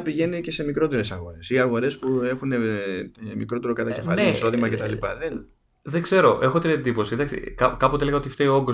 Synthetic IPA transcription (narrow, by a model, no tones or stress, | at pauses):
piʝe̞nice̞se̞mikɾo̞t̪e̞ɾe̞sɐɣo̞ɾe̞siɐɣo̞ɾe̞spue̞xune̞ | mikɾo̞t̪eɾo̞kɐt̪ɐce̥fɐ̰liiso̞ðimɐce̞t̪ɐlipɐ̰ðe | ðeɡze̞ɾo̞ʔe̞xo̞t̪ine̞nd̪ipo̞siðɐksḭkɐkɐpot̪eeleɐot̪ift̪eioŋɡo